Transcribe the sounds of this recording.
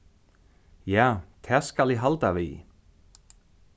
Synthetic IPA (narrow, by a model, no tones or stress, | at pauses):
jaːt̪ʰɛ̥skalɛɦalt̪avḭ